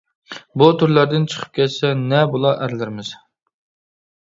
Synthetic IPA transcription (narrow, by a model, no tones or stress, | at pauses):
but̪ʰuɾlæɾd̪ɪnt͡ʃʰə̥qʰə̥p̚kʲʰɛt̪sɛnɛbolˠɑʔæɾlɪɾmɪz̥